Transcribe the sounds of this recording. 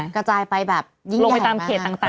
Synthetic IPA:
kɾa˧t͡ɕaː˧jpa˧jbɛː˨˩p̚ji˦˥lo˧pa˧˨˩t̪aː˧mkʰeː˨˩t̪ːaː˨˩ŋt̪aː˨˩

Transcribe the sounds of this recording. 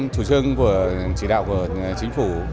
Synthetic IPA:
t͡ɕu˧˩t͡ɕɨ˧əŋku˧˩ət͡ɕi˧˩ɗa̰ː˧˨wku˧˩ə | t͡ɕï˨˦ŋ̟fu˧˩

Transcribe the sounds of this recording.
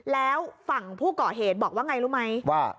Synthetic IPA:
lɛː˦˥wfa˨˩ŋpʰuː˥˩kɔː˨˩ɦeː˨˩t̪̚bɔː˨˩k̚waː˥˩ŋa˧jɾuː˦˥ma˦˥jwaː˥˩

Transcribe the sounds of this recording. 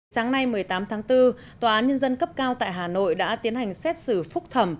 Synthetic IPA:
saː˨˦ŋna˧jmɨ˨˩əjt̪aː˨˦mt̪ʰaː˨˦ŋt̪ɨ˧ | t̪waː˨˩ʔaː˨˦nɲə˧nzə˧nkə˦˥p̚kaː˧wt̪a̰ː˧˨jɦaː˨˩no̰˧˨jɗa̰ː˧˥t̪i˨˦ənha˨˩jŋ̟sɛ˦˥t̚sɨ˧˩fʊ˦˥k͡p̚t̪ʰə˧˩m

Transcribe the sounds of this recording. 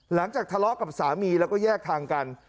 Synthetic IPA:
la˩˦ŋt͡ɕaː˨˩k̚t̪ʰa˧lɔ˦˥ka˨˩p̚saː˩˦miː˧lɛː˦˥wkɔː˥˩jɛː˥˩k̚t̪ʰaː˧ŋka˧n

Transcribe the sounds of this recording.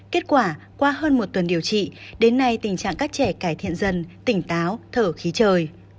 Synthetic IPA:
ke˦˥t̚kwaː˧˩ | kwaː˧ɦəː˧nmo˨˩t̚t̪wə˨˩nɗi˨˩əwt͡ɕḭ˧˨ɗe˨˦nːa˧jt̪ï˨˩ŋ̟t͡ɕa̰ː˧˨ŋkaː˦˥k̚t͡ɕɛ˧˩kaː˧˩jt̪ʰḭ˧˨ənzə˨˧nt̪ï˧˩ŋ̟t̪aː˨˦wt̪ʰəː˧˩xi˨˦t͡ɕəː˨˩j

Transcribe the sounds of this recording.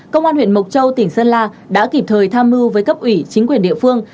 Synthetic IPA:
kə˧wŋ͡mʔaː˧nw̰ənmo˨˩t̚t͡ɕə˧wt̪ï˧˩ŋ̟səː˧nlaː˧ | ɗa̰ː˧˥ki˨˩p̚t̪ʰəː˨˩jt̪ʰaː˧mːɨ˧vəː˨˦jkə˦˥p̚ʔwi˧˩t͡ɕi˨˦ŋ̟kwi˨˩ənɗḭ˧˨fɨ˧əŋ

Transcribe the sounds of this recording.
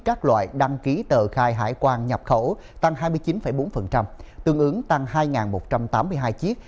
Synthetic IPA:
kaː˦˥k̚lwa̰ː˧˨jɗa˧ŋki˨˦t̪əː˨˩xaː˧jɦa̰ː˧˩jkwaː˧nɲə˨˩p̚xə˧˩ | t̪a˧ŋɦaː˧jmɨ˧əjt͡ɕi˨˦nfə˧˩jɓo˨˦nfə˨˩nt͡ɕa˧mt̪ɨ˧əŋʔɨ˨˦ŋt̪a˧ŋhaː˧jŋaː˨˩nmo˨˩t̚t͡ɕa˧mt̪aː˨˦mːɨ˧əjɦaː˧jt͡ɕi˦˥ək̚

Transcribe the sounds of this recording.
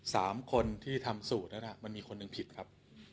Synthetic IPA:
saː˩˦mkʰo˧nt̪ʰiː˥˩t̪ʰa˧msuː˨˩t̪̚na˦˥nla˧˩ma˧nmiː˧kʰo˧nːɯ˨˧ŋpʰi˨˩t̪̚kʰa˦˥p̚

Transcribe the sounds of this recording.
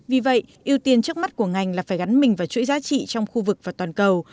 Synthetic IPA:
vi˨˩və̰˧˨jʔi˧əwt̪i˧ənt͡ɕɨ˦˥ək̚ma˦˥t̚ku˧˩əŋa˨˩jŋ̟laː˨˩faː˧˩jɣa˨˦nmï˨˩ŋ̟vaː˨˩t͡ɕwṵ˧˥jzaː˨˦t͡ɕḭ˧˨t͡ɕɔ˧wŋ͡mxu˧vɨ˨˩k̚vaː˨˩t̪waː˨˩nkə˨˩w

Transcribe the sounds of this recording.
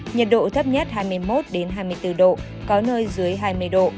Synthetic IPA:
ɲə˨˩t̚ɗo̰˧˨t̪ʰə˦˥p̚ɲə˦˥t̚ɦaː˧jmɨ˧əjmo˦˥t̚ɗe˨˦nɦaː˧jmɨ˧əjt̪ɨ˧˩ɗo̰˧˨ | kɔ˨˦nəː˧jzɨ˨˦əjɦaː˧jmɨ˧əjɗo̰˧˨

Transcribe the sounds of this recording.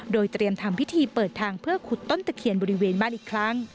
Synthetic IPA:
doː˧jt̪ɾi˧əmt̪ʰa˧mpʰi˦˥t̪ʰiː˧pɤː˨˩t̪ʰːaː˧ŋpʰɯ˥˩ɐkʰu˨˩t̪ːo˥˩nt̪ɛː˨˩kʰi˨˩ənbɔː˧ɾi˦˥weː˧nbaː˥˩nʔiː˨˩kʰɾa˦˥ŋ

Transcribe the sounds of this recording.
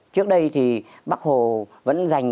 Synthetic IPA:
t͡ɕɨ˦˥ək̚ɗə˧jt̪ʰi˨˩ | ɓaː˦˥k̚ho˨˩və̰˧˥nza˨˩jŋ̟

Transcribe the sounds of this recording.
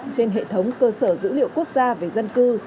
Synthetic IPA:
ŋt͡ɕe˧nɦḛ˧˨t̪ʰə˨˦wŋ͡mkəː˧səː˧˩zɨ̰˧˥lḭ˧˨əwku˦˥ək̚zaː˧ve˨˩zə˧nkɨ˧

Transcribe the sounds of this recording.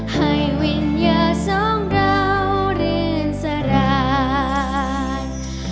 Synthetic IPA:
ha˧˩jwi˧njəː˧sɔ˦˥ŋɾa˧wɾɯ˧˩nsa˧ɾaː˧ | j

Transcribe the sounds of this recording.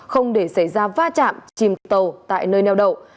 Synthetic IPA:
xə˧wŋ͡mɗe˧˩sə˧˩jzaː˧vaː˧t͡ɕa̰ː˧˨mt͡ɕi˨˩mt̪ə˨˩wt̪a̰ː˧˨jnəː˧jnɛ˧wɗə̰˧˨˩w

